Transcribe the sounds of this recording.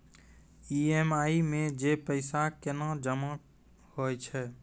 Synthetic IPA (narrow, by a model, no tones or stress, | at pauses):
iːemaːimẽd͡ʒeːpəɪsakɪnad͡ʒəma | hoːt͡ʃʰɛː